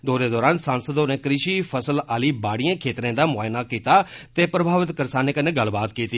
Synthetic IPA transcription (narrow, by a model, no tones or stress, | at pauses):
d̪oːd̪eːd̪ɔːɾaːnsãːnsəd̪oːnẽːkɾɪʃiːpʰəsəlaːliːbaːɽijãːkʰeːt̪ɾẽːd̪aːmʊaːɪnaːkiːt̪aːt̪eːpɾəbʱaːʋɪt̪kəɾsaːnẽːkənːẽːɡəlbaːt̪kiːt̪iː